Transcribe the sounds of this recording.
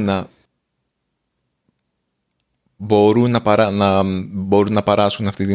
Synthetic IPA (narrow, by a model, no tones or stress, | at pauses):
nɐ | bo̞ɾunːɐpɐɾɐnɐbo̞ɾunːɐpɐɾɐsxunɐft̪it̪i